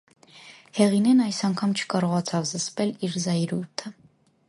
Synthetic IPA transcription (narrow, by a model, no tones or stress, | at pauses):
hɛʁinɛnɑjsɑŋkʰɑmt͡ʃʰə̥kɑɾɔʁɑt͡sʰɑvzəspɛliɾzɑjɾuɾt̪ʰə